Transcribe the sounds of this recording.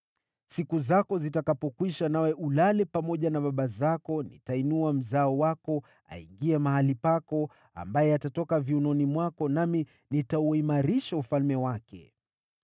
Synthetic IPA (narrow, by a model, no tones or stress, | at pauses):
sikuzakɔzitakapɔkwiʃanawɛʔulalɛpamɔʄanaɓaɓazakɔnḭtainuam̩zaɔwakɔ | a̰ḭŋɡiɛmahalipakɔ | a̰mbajɛatatɔkaviunɔnimwakɔnami | nitauimaɾiʃaufalmɛwakɛ̰